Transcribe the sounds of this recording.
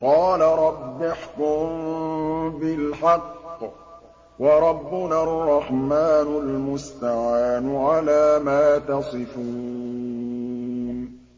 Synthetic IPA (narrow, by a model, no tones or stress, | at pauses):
qɑːlaɾˤɑbːɪħkʊm | bɪlħɑqː | wɑɾˤɑbːʊnarˤːɑħmaːnʊlmʊst̪aʕaːnʊʕalaːmaːt̪ɑsˤɨfuː | n